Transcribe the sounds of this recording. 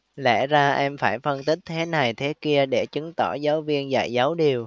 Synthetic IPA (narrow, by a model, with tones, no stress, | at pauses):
lɛ̰˧˩zaː˧ʔɛ˧mfaː˧˩jfə˧nt̪ï˦˥k̟̚t̪ʰe˨˦na˨˩jt̪ʰe˨˦ki˧əɗe˧˩t͡ɕɨ˨˦ŋt̪ɔ˧˩zaː˨˦wvi˧ənza̰ː˧˨jzaː˨˦wɗi˨˩əw